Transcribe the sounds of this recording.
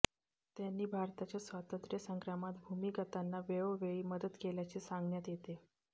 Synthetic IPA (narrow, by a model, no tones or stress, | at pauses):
t̪janːiːbʱaɾt̪at͡ɕjasʋat̪ənt̪ɾjəsəŋkɾamat̪bʱumikət̪anːaʋeʋəʋeɭiːməd̪əd̪keljat͡ɕesaŋɡɳjat̪jet̪e